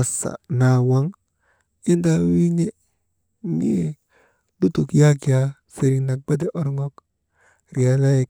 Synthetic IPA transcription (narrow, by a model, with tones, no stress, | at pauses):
a˨sa̰˨na˨wa˦ŋ | i˦nda˦wi˦ɲe˦ | nḭ˦ | du˦tu˨kja˦ki˨ja˨ | se˨ɾi˨na˨k̚ba˦d̬e˦ʔo˨ɾŋo˦k | ɾi˨ja˨˦la˦je˨